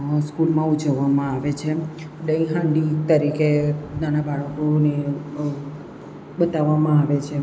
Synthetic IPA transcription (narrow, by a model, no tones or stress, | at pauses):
skulmãud͡ʒəʋːamãaʋet͡ʃʰe | ɖə̃ĩɦãɳɖit̪əɾikenanabaɭəkone | ɓət̪aʋːamãaʋet͡ʃʰe